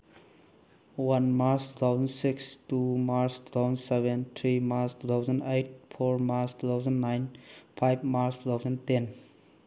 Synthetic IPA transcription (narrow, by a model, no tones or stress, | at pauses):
wʌnmaɾsʈut̪ʰaʊzə̃nsɪkstumaɾstu̥t̪ʰaʊzə̃nseʋẽnt̪ʰɾimaɾstut̪ʰaʊzə̃ndejʈ̚fʰoɾmaɾstut̪ʰaʊzə̃nnajnpʰajb̚maɾstut̪ʰaʊzə̃nten